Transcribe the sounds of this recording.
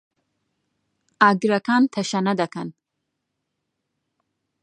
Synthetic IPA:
aɡɾɐkʰaːnt̪ʰɐʃɐnɐd̪ɐkʰɐn

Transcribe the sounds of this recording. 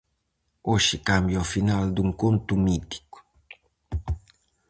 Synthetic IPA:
oʃikambjɔfinald̪uŋkont̪umit̪i̥ku̥

